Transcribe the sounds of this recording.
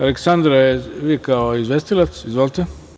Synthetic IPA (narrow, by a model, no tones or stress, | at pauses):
aleksand̪ɾajeʋikaoizʋest̪ilat̪sizʋolit̪e